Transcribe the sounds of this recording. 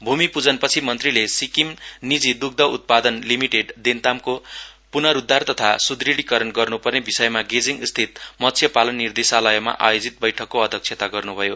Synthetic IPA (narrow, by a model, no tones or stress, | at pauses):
bʱumipud͡zʌnpʌt͡sʰimʌnt̪rilesikimnid͡zid̪uɡ̚d̪ʌṵt̪̚pad̪ʌnlimiʈeɖd̪ent̪amko | punʌɾud̪ʱːart̪ʌt̪ʰasud̪riɽikʌɾʌnɡʌrnupʌrnebisʌjmaɡed͡ziŋɡst̪ʰit̪mʌt̪t͡sʰjʌpalʌnːird̪esalʌjʌma̰ʔa̰jod͡zit̪̚bʌjʈʰʌkːoʌd̪ʱjʌk̚t͡sʰet̪aɡʌrnubʱʌjo